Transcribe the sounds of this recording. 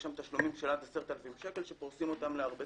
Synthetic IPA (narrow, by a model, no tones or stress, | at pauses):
ʃamt̪aʃlumimʃelat̪eseʁt̪alafimʃe̞kelʃe̞poʁsimo̞t̪amleaʁbe